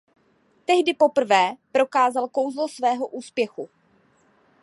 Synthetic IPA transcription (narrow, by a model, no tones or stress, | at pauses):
t̪ɛɦdɪpo̞pr̩vɛːpɾo̞kaːzalko̞wzlosvɛːɦo̞ʔuːspjɛxu